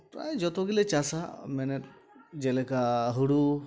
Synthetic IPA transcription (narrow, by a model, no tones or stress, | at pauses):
a̰jd͡ʒɔt̪ɔɡilet͡ʃasamɛnɛt̪ | d͡ʒelekaɦuɽu